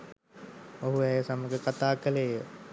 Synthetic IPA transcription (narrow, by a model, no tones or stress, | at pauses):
oɦuɛjəsaməɡəkat̪aːkəlejə